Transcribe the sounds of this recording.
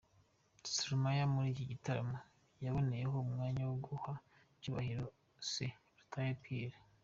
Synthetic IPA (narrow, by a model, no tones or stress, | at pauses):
suɾumajamuɾiːciɟitaɾa̰mo | jaβo̞ne̞jeɦo̞umŋaːɲawuɡuha | cuːβa̰hiɾo | se | ɾutʰajepʰiɾe